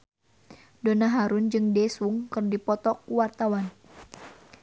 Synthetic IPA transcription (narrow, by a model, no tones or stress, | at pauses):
donaɦaɾund͡ʒɨŋdɛsuŋkɨrdipɔt̪ɔkuwart̪awan